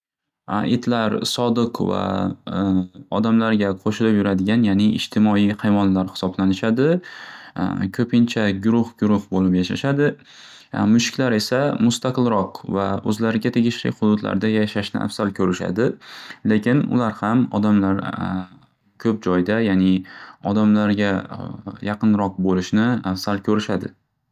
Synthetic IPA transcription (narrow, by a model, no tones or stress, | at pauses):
ʔet̪ʰlaɾsɒd̪ɨqva̰ | ɒd̪amlaɾɡʲaqʰoʃɪlɪpjʊɾad̪ɪɡʲanjanɪɪ̰d͡ʒt̪ʰɪmɒijhajvɒnlaɾhɪ̥sɒblanɪʃad̪ɪ | kʰɵpʰɪnt͡ʃʰaɡʊɾʊhɡʊɾʊhbolɪpjaʃaʃad̪ɪ | mʊʃkʲʰlaɾe̞samʊst̪ʰaqʰɨlˠɾɒqvaɵ̰zlaɾɪɡʲat̪ʰe̞ɡʲɪʃlɪ̰χʊd̪ʊd̪la̰ɾd̪ajaʃaʃnɪ̰ʔa̰fsalkʰɵɾɪʃa̰d̪ɪlekʲʰɪnʊ̰laɾhamɒ̰d̪amlaɾ | kʲʰɵp̚d͡ʒɒjd̪ajaːnɪɒd̪amlaɾɡʲa | jɑqɨnɾɒq̚bolɪʃnɪafsalkʲʰɵɾɪʃad̪ɪ̰